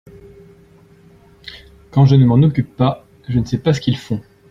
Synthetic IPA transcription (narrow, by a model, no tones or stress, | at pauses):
kɑ̃ʒənəmɑ̃nɔkʲypːa | ʒənəsɛpas̬ə̥kʲilfɔ̃